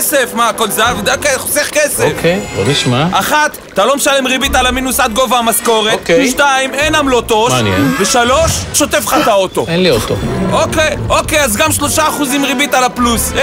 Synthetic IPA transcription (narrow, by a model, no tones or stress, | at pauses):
sefmakolzavd̪okeχoseχkeseofkezo̰niʃmaʔaχat̪ | talo̞meʃalemʁibit̪alaminusat̪̚ɡo̞vaːmasko̞ʁetʃt̪aimenamlo̞t̪o̞manḛnveʃalo̞ʃːo̞t̪efχat̪ao̞t̪o̞enliot̪o̰okejokejazɡamʃlo̞ʃaːχuzimʁibit̪alaplus